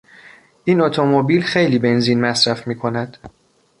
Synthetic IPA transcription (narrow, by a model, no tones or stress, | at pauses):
ʔiːnot̪ʰomobiːlxe̞jliːbe̞nziːnmæsɾæfmiːkʰo̞næd̪̥